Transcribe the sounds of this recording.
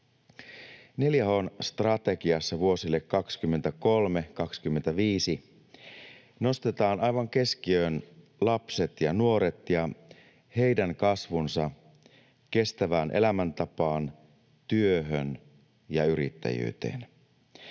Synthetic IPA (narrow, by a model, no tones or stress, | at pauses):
ne̞ljæɦo̞nst̪rɑt̪e̞ɡiɑsːɑʋuo̞silːe̞kːɑksk̟ymːent̪æko̞lme̞kɑkskymːent̪æʋiːsi | no̞st̪e̞t̪ɑːnɑjʋɑŋke̞skiøn | lɑpse̞t̪jɑnuo̞ɾe̞t̪jɑ | he̞jdæŋkɑsʋunsɑ | ke̞st̪æʋæːnʔe̞̰læmænt̪ɑpɑːn | t̪yøɦøn | jɑyɾḭt̪ːæ̰jy̰ːt̪ḛːn